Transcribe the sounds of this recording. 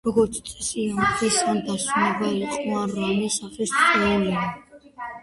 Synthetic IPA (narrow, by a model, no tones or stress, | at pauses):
ɾɔɡɔɾt̪sʰt̪sʼɛ̥siant̪ʰwisand̪asunɛbaiqʼɔaɾanisaχisʼχʼɛilia